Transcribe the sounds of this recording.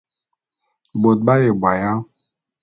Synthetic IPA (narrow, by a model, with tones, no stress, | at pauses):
bo˨t̚ɓa˦je˨bwa˨ja˦